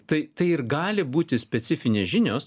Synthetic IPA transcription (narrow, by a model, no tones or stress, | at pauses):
t̪ɐɪt̪ɐɪɪɾɡɑːlʲɪbuːt̪ʲɪsʲpʲɛt̪sʲɪfʲɪnʲeːʒʲɪnʲoːs